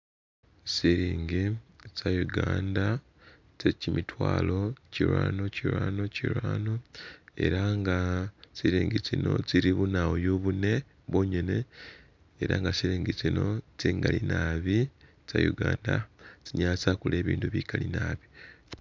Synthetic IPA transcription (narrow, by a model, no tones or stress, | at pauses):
siɾiːŋɡisajuɡaːnda | t͡secimitwaːlo̞ciɾwaːno̞ciɾwaːno̞ciɾwaːno̞e̞̰ɾaŋɡasiɾiːŋɡit͡sino̞̰t͡siɾiβunaojoβune̞ | βwo̞ːɲe̞ne̞ | eɾa̰ŋɡasiɾiːŋɡit͡sino̞t͡siŋɡalinaβi | t͡sa̰juɡaːndat͡siɲaːt͡sakule̞ːβiːnduβikalinaβi